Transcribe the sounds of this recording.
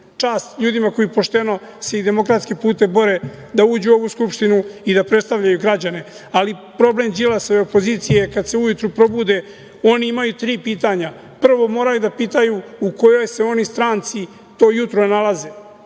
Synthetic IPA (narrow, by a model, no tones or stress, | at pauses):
t͡ʂaːst̪ʎuːd̪imako̞jipo̞ʃt̪e̞no̞ | se̞id̪e̞mo̞kɾat̪skipuːt̪e̞bo̞ɾe | d̪auːd͡ʑuo̞ʋuskupʃt̪inuid̪apɾest̪aʋʎajuɡɾad͡ʑane̞ | alipɾo̞ble̞md͡ʒilasoeopo̞ziːt̪sijekad̪se̞ujut̪ɾupɾo̞bud̪e̞ | o̞niimajut̪ɾiːpiːt̪aɲa | pr̩ʋo̞mo̞ːɾajud̪apiːt̪ajuuko̞jo̞jse̞o̞nist̪ɾaːnt̪si | t̪o̞ːjut̪ɾonalˠaze